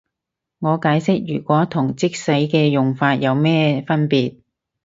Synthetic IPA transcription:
ŋɔː˨˧kaː˨˥jsɪ˥k̚jyː˨˩kʷɔː˨˥t̪ʰʊ˨˩ŋt͡sɪ˥k̚sɐ˨˥jkɛː˧jʊ˨ŋfaː˧t̚jɐ˨˧wmɛː˥fɐ˥npiː˨t̚

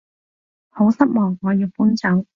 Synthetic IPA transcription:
ho˨˥wsɐ˥t̚mɔː˨˩ŋːɔː˨˧jiː˨˧wpuː˨˥nt͡sɐ˨˥w

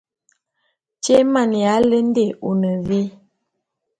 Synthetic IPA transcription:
t͡ʃe˦ma˦˨n˨ja˨˦lə˦n˦de˦˨u˨nə˨vi˦

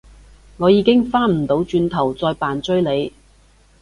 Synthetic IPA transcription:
ŋɔː˨˧jiː˨˧kɪ˥ŋfaː˥nm̩˨˩t̪o˨˧˥wt͡ʃyː˧nt̪ʰɐ˨˩wt͡sɔː˧jpaː˨nt͡ʃɵ˥ɥle˨˧j

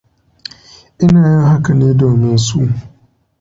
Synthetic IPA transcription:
ɪ˦na˨jɔ˦ɦa˦ka˦˨ne˦dɔ˨mɪ̃˨n̩˨su˦˨

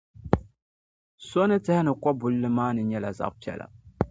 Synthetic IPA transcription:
so˦nɨ˦tɨ˦hɪ˦nɨ˨kɔ˦bʊ˨lːɨ˦maː˦nɨ˨ɲɛ˦la˨za̰˨ʔpi˨˦ɛ̰˨la̰˨

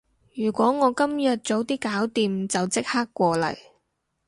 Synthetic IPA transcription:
jyː˨˩kʷɔː˨˥ŋɔː˨˧kɐ˥mjɐ˨t̚t͡so˨˥wt̪iː˥kaː˨˥wt̪iː˨mt͡sɐ˨wt͡sɪ˥k̚haː˥kːʷɔː˧lɐ̰˨˩j

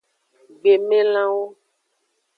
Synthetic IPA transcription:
ɡ͡be˨mẽ˦lã˦wo˦

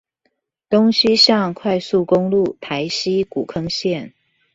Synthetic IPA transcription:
t̪ʊ˥ŋɕi˥ɕjɑ˥˧ŋkʰwa˥˧ɪsu˥˩kʊ˥ŋlu˥˨˩t̪ʰa˧˥ɪɕi˥ku˨˩kʰɤ˥ŋɕjɛ˥˩n

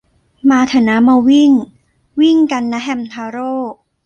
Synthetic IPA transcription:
maː˧t̪ʰa˧˩na˦˥ma˧wi˥˩ŋ | wi˥˩ŋka˧nːa˦˥ɦɛ˧mt̪ʰaː˧˦ɾoː˥˩

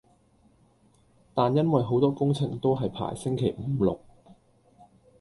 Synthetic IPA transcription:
t̪aː˨njɐ˥nwɐ˨jɦo˨˥wt̪ɔː˥kʊ˥ŋt͡sʰɪ̰˨˩ŋt̪o˥wɦɐ˨jpʰa̰ː˨˩jsɪ˥ŋkʰe˨˩jm̩˨˩˦lʊ̰˨k̚

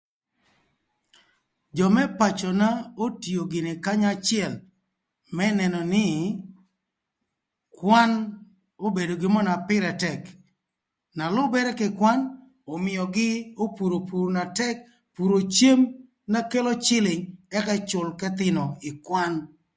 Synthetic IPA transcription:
d͡ʒɔ˨mɛ˦pa˨t͡ʃɔ˨na˦o˦ti˨o˨ɡɪ˨nɪ˨ka˦ɲa˦t͡ʃɪɛ˦˨l | mɛ˦nɛ˨nɔ˨nɪ˦ | kwa˦n | o˦be˨do˨ɡɪ˦mɔ˦na˨pɪ˦ɾɛ˨tɛ˨k | na˨lʊ˦bɛ˦ɾɛ˦kɪ˨kwa˦n | o˨mɪ˨jɔ˨ɡɪ˦o˦pu˨ɾo˨pu˨ɾna˨tɛ˦k̚ | pu˨ɾo˨t͡ʃe˦m | na˦ke˦lo˦t͡ʃɪ˦lɪ˨ŋɛ˦kɛ˦t͡ʃʊ˨lkɛ˦t̪ɪ˦nɔ˨ɪ˨kwa˦n

